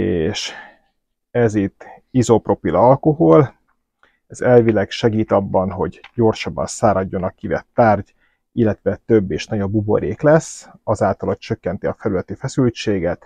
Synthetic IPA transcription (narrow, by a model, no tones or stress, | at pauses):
eːʃ | ɛzit̪ː | izopro̞filɒɒlko̞ɦo̞l | ɛzɛlvilɛkʃɛɡiːt̪ɒbːɒnɦo̞ɟɟo̞ːrʃɒbːɒ̰nsaːɾɒɟːo̞nɒkkːivɛ̰t̪ːaːrɟ | ilːɛt̪ʋɛt̪øbːeːʃnɒɟobːubo̞̰ɾeːklɛsːɒzaːlt̪ɒlɒt͡ʃø̞kːɛnt̪iɒfɛlylɛt̪yfɛsylt͡ʃeːɡɛt̪